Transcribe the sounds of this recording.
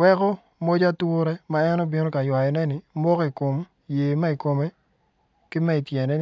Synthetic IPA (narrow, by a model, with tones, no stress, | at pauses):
wɛ˦kɔ˦ | mo˦d͡ʒa˦twʊ˦ɾɛ˦ma˨ɛ˦nɔ˦bi˦no˦ka˨jwa˨jɔ˨nɛ˦nɪ˨mɔ˦ki˨ko˨m | jeː˨ma˦i˨ko˨me˦ | kɪ˦mɛ˦i˨tje˨nɛ˦n